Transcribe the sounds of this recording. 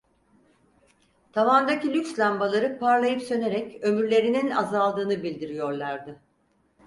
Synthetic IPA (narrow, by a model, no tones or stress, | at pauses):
t̪ʰavand̪acilʲykslʲambalˠaɾɯpʰaɾlˠajɯpsø̞ne̞ɾɛcø̞myɾlʲe̞ɾinina̰zalˠd̪ɯːnɯbilʲd̪iɾijo̞ɾlˠaɾd̪ɯ